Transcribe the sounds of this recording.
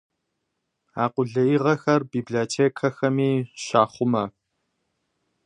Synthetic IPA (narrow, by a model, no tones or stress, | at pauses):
aːqʷʊɮɐjɪʁɐxɐrbiːblotʰeːkʰɐxɐmiːʃaːχʷʊmɐ